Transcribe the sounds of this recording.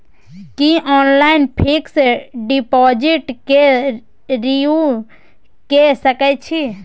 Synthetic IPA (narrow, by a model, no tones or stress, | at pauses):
kiʔɔːnlainpʰiksɖipɔd͡ʒiʈke | ɾiu | kesəkɛt͡ʃʰi